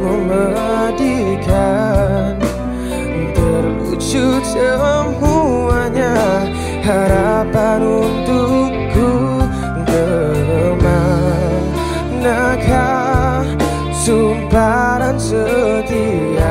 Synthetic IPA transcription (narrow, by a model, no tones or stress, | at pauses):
umə | dikʰan | t̪ərut͡ʃusəmuaɲa | haɾapanunt̪u | ɡu | ŋdəɾəma | n | naka | sumbaɾansət̪i | a